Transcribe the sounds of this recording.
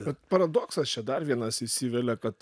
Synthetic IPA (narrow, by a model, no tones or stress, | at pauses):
ɛt̪pɐɾɐd̪oːksɐst͡ʃʲɛd̪ɐrʋʲiɛnɐsɪʃsʲiːʋʲɛlʲɛkɐt̪